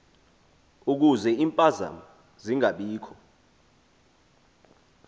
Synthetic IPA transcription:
uk̬uzɛiːmpʼaza̰mu | ziŋaɓiːkʰɔ̥

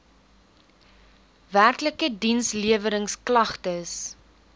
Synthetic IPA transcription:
værkləkədinsliəvəɾəŋsklɐχtəs

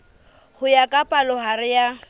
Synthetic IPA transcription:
hʊjakʼapʼalɔɦaɾɪja

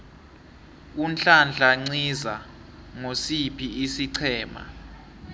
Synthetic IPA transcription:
unɬand͡ɮʱaŋ͡ǀiza | ŋosipʰiisiǀʰɛːma̰

